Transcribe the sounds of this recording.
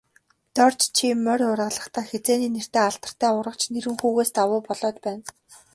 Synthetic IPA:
t̪ɔr̥t͡ɕt͡ɕʰimːœɾʊrə̆ɮə̆χt̪ʰaːxet͡seːniːner̥t̪eːaɬt̪ə̥̆r̥t̪ʰæːʊɾʁə̆kt͡ɕʰneɾɘ̆ŋxuːɣeːst̪awʊːpɔɮɔːt͡ɕpæːn

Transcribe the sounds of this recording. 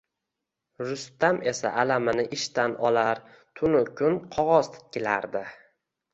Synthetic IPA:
ɾʊst̪ame̞sa̰ʔalamɪnɪʔɪʃt̪anɒ̰laɾ | t̪ʰʊnʊkʰʲʊnqʰɒʁɒzt̪ʰɪ̥t̪̚kʲɪla̰ɾd̪ɪ

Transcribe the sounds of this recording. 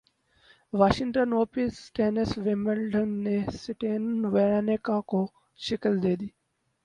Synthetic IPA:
ʋaːʃɪŋʈənoːpisʈeːnɪsʋɪməlɖənːesɪʈeːnnʋeɾaːnekako | ʃɪkəld̪eːd̪iː

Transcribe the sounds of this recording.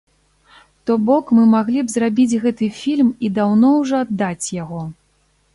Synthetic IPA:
t̪ɔbɔkmɨmaɣlʲibzrabʲid͡zʲɣɛt̪ɨfʲilʲmid̪awnɔwʐɔad̪ːat͡sʲjaɣɔ

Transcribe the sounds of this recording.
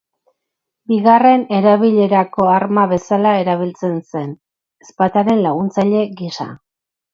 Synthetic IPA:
biɣare̞ne̞ɾaβiʎe̞ɾako̞aɾmaβe̞salae̞ɾaβ̞ilt͡se̞nse̞n | espat̪aɾe̞nlaɣunt͡saʎe̞ɣisa̰

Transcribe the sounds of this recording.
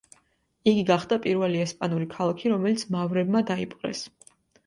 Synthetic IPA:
iɡiɡaχd̪apʼiɾvɛliɛspʼanuɾikʰalˠakʰiɾɔmɛlit̪sʰmavɾɛbmad̪aipʼqʼɛ̰s

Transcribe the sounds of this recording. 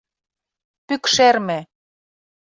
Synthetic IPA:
pykʃermĕ

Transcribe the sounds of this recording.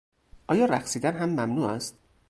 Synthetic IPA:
ʔɒːjɒːɾæxsiːd̪ænɦæmːæmnuːæst̪̚

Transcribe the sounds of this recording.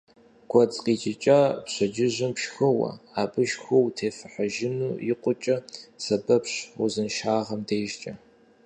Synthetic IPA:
ɡ̥ʷʰɔt͡sʼqiːt͡ʃɪt͡ʃʼapɕɐd͡ʒɪʑɪmpʃxɨwɐ̰aːbʼɨʃxʷowtʰeːfɨħaʒɪnuːjɪqʷʼʊt͡ʃʼɐsɐbɐpɕʊzɨnʃaːʁɐmdeːʒt͡ʃʼɐ

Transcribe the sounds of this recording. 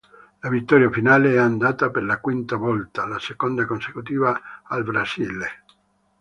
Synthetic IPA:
lavit̪ːɔːɾjafinaːleɛand̪aːt̪aperlakwint̪avɔlt̪alasekond̪akonse̥kut̪iːvaːlbɾasile

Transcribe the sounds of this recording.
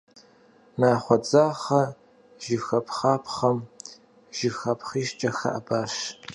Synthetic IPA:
naːχʷɔd͡zaːχɐ | ʒ̥ɪxɐpʰχaːpʰχɐm | ʒ̥ɪfxɐpχiːʃt͡ʃʼɐxɐ̰ʔabaːʃ

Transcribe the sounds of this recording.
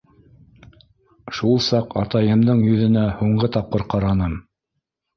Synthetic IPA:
ʃulˠsɑqɑ̰t̪ɑjɤ̆md̪ɤɴjɵ̆ðɘ̆næhuɴɢɤt̪ɑp̚qɤɾqɑɾɑnɤm

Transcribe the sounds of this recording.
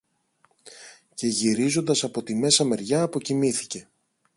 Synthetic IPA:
ce̞ʝiɾizo̞nd̪ɐsɐpo̞t̪ime̞sɐme̞ɾʝɐːpo̞cimiθi̥ce̞

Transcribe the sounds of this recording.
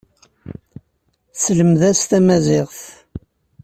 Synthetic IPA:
sləmðæst̪æmæzɪʁθ

